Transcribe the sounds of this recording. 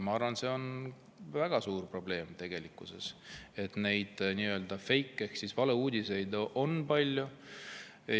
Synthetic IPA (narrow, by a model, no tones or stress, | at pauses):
mɑɑrvɑnse̞o̞n | væɡ̥ɑsuːrpro̞ble̞ːmt̪e̞ɡ̥e̞likːˑuse̞̰se̞t̪ne̞jd̪̥niːø̞ːld̪ɑfe̞jkːˑekssisvɑle̞uːd̪ʲise̞jd̪ʔo̞npɑlʲju